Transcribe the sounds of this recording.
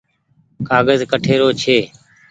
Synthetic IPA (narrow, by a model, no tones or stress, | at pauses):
kaːɡəzkəʈʰeːɾoːt͡ʃʰeː